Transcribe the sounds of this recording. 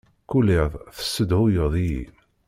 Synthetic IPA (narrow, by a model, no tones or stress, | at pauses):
kuliðˤθə̥sːəd̪hʊjəðˤijḭn